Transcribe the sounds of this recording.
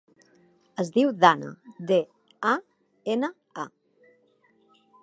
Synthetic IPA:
əzðiwðanə̰d̪e | a | enə | a

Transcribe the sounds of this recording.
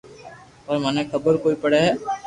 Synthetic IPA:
pɐɾmanekʰɐbəɾkoːipɐɽeɦɛː

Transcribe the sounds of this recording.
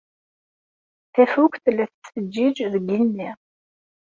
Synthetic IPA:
θæfukʷθlːæθsəd͡ʒːid͡ʒðəɡinmiʁ

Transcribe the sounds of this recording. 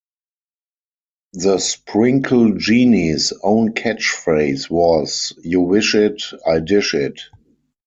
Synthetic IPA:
ðəspʰɹɪ̃ŋkʰl̩d͡ʒiːnisõʊ̃nkʰɛt͡ʃfɹeɪswɔzjuwɪʃɪtaɪdɪʃɪt

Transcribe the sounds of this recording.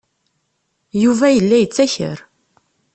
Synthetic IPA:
juvæjəlːæjət͡sːæçə̰ɾ

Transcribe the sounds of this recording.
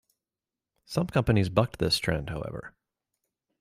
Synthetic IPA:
sʌ̃mkʰʌ̃mpɨnizbʌk̚t̚ðɪstʰɹ̥ɛ̰̃nd̚haʊɛ̰və̰˞

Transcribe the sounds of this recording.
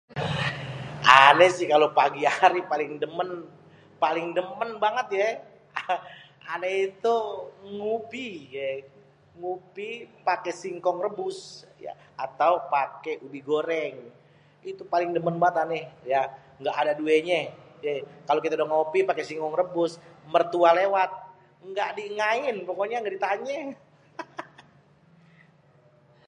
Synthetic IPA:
ʔanɛsɪhkalopaɡiaɾipalɪŋdəmən | palɪŋdəmənbaŋət̪̚jɛ | anɛhit̪uŋupiɡ | ŋupipakesiŋkɔŋrəbʊsja̰ | at̪awpakeʔubiɡoɾɛŋ | it̪upalɪŋdəmənbaət̪anɛhja | ŋɡaʔːdadueɲɛɛkalokit̪adaŋopipakesiŋkɔŋrəbʊsmərt̪ualewat̪̚ | ŋɡaʔdiŋaɪnpokoɲaŋɡadit̪aɲɛ

